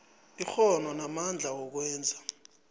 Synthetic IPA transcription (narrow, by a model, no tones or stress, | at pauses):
ixɔnɔnamand͡ɮʱawɔk̬wɛːnd͡zʱa